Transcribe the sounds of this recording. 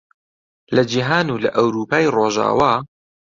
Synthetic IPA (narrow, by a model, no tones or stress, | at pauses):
lɐd͡ʒiɦaːnuːlɐʔɐwɾuːpaːjroːʒa̰ːwaː